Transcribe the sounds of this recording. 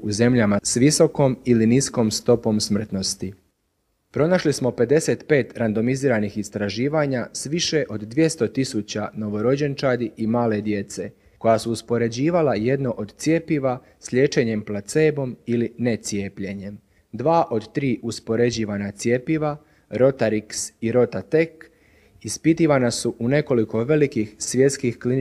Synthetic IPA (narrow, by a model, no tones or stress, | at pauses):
uze̞mʎamasʋiso̞ko̞milinisko̞mst̪o̞po̞msmr̩t̪no̞st̪i | pɾo̞naʃlismo̞pe̞d̪e̞se̞t̪pe̞ːt̪ɾand̪o̞miziːɾanixist̪ɾaʒiːʋaɲasʋiʃe̞ʔo̞d̪d̪ʋje̞st̪o̞t̪isut͡ɕano̞ʋo̞ɾo̞d͡ʑe̞nt͡ʃad̪iimaːle̞d̪je̞t̪se̞ | ko̞jasuːspo̞ɾe̞d͡ʑiːʋalaje̞d̪no̞ʔod̪t̪sʲje̞ːpiʋa | sʎe̞ːt͡ʃe̞ɲe̞mplat̪seːbo̞miline̞t̪sjeːpʎe̞ɲe̞m | d̪ʋaːʔo̞d̪t̪ɾiːʔuspo̞ɾe̞d͡ʑiːʋanat̪sje̞ːpiʋa | ɾo̞t̪aɾiksiɾo̞t̪at̪e̞k | ispit̪iʋanasuʔune̞ko̞liko̞ʋe̞likixsʋje̞t̪skixklin